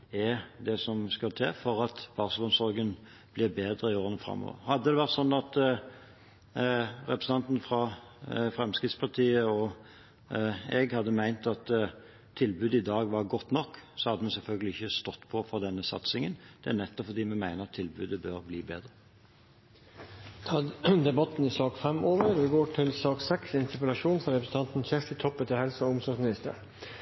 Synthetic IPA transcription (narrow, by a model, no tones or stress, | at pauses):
ɛd̪ɛsɔmskɑlt̪ʰeːfɔɾɑt̪b̥ɑʁsəlʊnsɔɾɡən | b̥lɪɾbeːd̪ɾəɪoːʁənəfɾɑ̰mːɔ̰ːʋə̰ɾhɑd̪ːəd̪ɛʋæʁt̪sɔnːɑt̪ | ɾɛpɾəsən̩t̪ɑnt̪n̩fɾɑfɾɛmskʁɪt̪spʰɑʁt̪ʰiːəɔ | ɛɡhɑd̪ːəmæɪnt̪ɑt̪ | t̪ʰːɪlbʉːd̪əɪd̪ɑːɡʋɑɾɡɔt̪ːnɔkːsɔhɑd̪əmɛsɛlfœlɡəlɪɪçːəst̪ɔt̪ːpʰɔfɔd̪ɛnːəsɑ̰t̪sɪŋənd̪̥ɛænɛt̪ːɔpfɔɾd̪iːmɛmæɪnəɾɑt̪ʰːɪlbʉːd̪əbøɾbliːbeːd̪ɾə | t̪ʰɑːd̪ɛbɑt̪n̩ɪsɑːkfɛmoːʋəɾɛɡoːʈʰɪlsɑːksɛksɪnt̪əpəlɑʂuːnfɾɑɾɛpɾsn̩t̪ɑnt̪n̩çɛft̪ɪt̪ʰɔpːət̪ʰɪlhɛlsəɔʊmsɔsmɪnɪst̪ə̰ɾ